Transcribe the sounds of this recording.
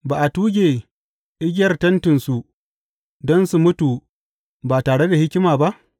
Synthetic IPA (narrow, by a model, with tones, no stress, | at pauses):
baː˨ʔa˨tuː˦ɡʲeː˨ | ʔɪ˦ɡʲɪ˦jɐ˨rtɐ˦ntɪ˨nsu˨ | dɔ˦nsu˨mʊ˦tu˨ | baː˨taː˨ɽe˦da˨hɪ˦kʲɪ˦maː˨ba˦ʔ